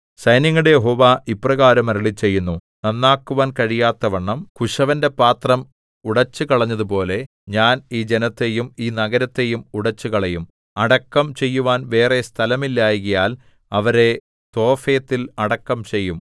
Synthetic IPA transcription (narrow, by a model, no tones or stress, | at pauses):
sɐjnjɐŋːɐɽejeɦo̞ːʋaːʔipːrɐɣaːɾɐmɐɾɐɭit͡ɕːe̞jːunːu | nɐnːaːkːuʋaːnkɐɻijaːt̪ːɐʋɐɳːɐmkuʂɐʋɐnde̞paːt̪rɐm | uɽɐt͡ɕːɨkɐɭɐɲːɐðupo̞ːle̞ | ɲaːniːd͡ʑe̞nɐt̪ːe̞jumiːnɐɣɐɾɐt̪ːe̞jumuɽɐt͡ɕːukɐɭɐjum | ɐɽɐkːɐmt͡ɕe̞jːuʋaːnʋe̞ːrest̪ʰɐlɐmilːaːjɣɐjaːl | ɐʋɐɾe̞ | t̪o̞ːfeːt̪ːilɐɽɐkːɐmt͡ɕe̞jːum